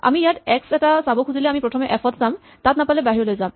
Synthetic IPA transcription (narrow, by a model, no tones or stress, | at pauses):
a̰mijatɛksɛtasabɔkʰuzilɛamipɹɔtʰɔmɛʔɛpʰɔtʰz̥am | tatnapalɛbaɦiɹɔlojzam